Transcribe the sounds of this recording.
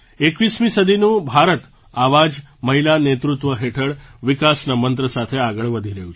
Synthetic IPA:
ekʋiːsmĩːsəd̪ʱinũːbʱaɾət̪ | aʋad͡ʑ | məɦilanet̪ɾut̪ʋəɦeʈʰəɭʋikasnəmənt̪ɾəsat̪ʰeaɡəɭʋəd̪ʱiɾeut͡ʃʰ

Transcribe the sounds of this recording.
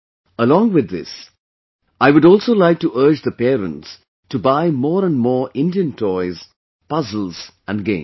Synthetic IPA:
əlɔ̃ːŋʋɪd̪ːɪ̰s | aɪʋʊɾɔːlˠsoːlaɪk̚tuʔɜ˞d͡ʒðəpɛːɾə̰̃nts | tubaɪmɔːɾə̃nmɔːɹɪ̃ndiə̃ntʰɔɪz | pʌzəl̩ˠz | æ̃nɡḛ̃ɪ̃

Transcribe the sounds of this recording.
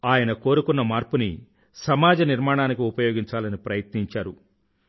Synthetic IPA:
aːjɐnɐko̞ːɾukunːɐmaːɾpunḭ | sɐmaːd͡ʒɐniɾmaːɳ̃aːnikiupɐjoːɡiɲt͡ʃaːlɐnipɾɐjɐt̪niɲt͡ʃaːɾu

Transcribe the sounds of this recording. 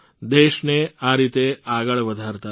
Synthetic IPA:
d̪eʃneaɾit̪eaɡəɭʋəd̪ʱaɾt̪a

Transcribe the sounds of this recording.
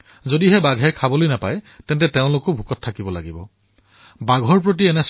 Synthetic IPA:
zodiɦɛbaɡʱɛkʰabolojnapajtɛntɛteʊ̃lʊkʊbʱukɔtʰːakibɔla̰ɡibɔ̰ | baɡʱɔɹpɹot̬iɛnɛs

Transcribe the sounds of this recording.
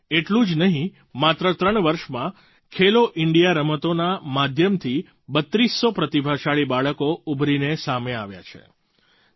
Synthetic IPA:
eʈlũd͡ʒnəɦĩ | mat̪ɾət̪ɾəɳ̃ʋəɾʃmã | kʰeloʔɪɳɖijaɾəmət̪onamad̪ʱjəmt̪ʰi | bət̪ɾisːopɾət̪ibʱaʃaɭibaɭəkoubʱɾinesameaʋja̰t͡ʃʰḛ

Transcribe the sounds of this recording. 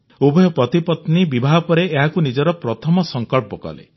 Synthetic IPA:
ubɔjɔpɾɔt̪ipɔt̪nibibʱaɦɔpɔɾeʔːɦakunid͡ʒɔɾɔpɾɔt̪ʰɔmɔsɔŋkɔɭpɔkɔ̰lḛ

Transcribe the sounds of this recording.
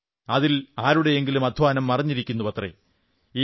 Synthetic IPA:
ɐðilaːɾuɽe̞eŋɡilumɐd̪ʱʋaːnɐmːɐrɐɲːiɾikʲːunːupɐt̪rḛ | iː

